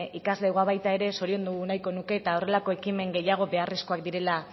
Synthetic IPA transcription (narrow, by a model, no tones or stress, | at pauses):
ikazle̞ɣaβajt̪ae̞ɾe̞so̞ɾio̞nd̪uɣunajkonuke̞ːt̪ao̞re̞lako̞e̞kime̞ŋɡe̞jaɣ̞o̞βe̞aresko̞akd̪iɾe̞la